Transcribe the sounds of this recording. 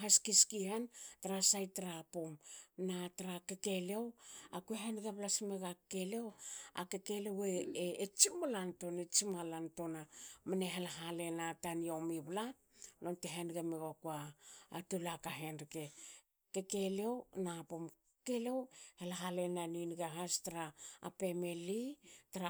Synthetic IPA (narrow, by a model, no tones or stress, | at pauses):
ɦaskiskihantaɾasajtaɾapomnataɾakeke̞lewakueɦenɡaβlasimeɡakelewa̰kekeleweːt͡ʃimolanto̞net͡ʃimalanto̞namaneɦelaɦale̞nataniomiβla | nonteɦenɡameɡokuaːtulakaɦenɾike | kekelewnapom | kelewhelaɦalenaninɡaɦastaɾa̰ːpemelitaɾa